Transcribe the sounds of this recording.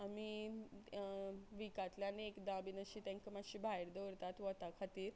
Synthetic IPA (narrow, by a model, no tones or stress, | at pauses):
ami | ʋikat̪ljaneekd̪abinəɕiːt̪ãŋkəmaɕibʱaiɾd̪ɔʋɾt̪at̪ʋɔt̪akʰat̪iːɾ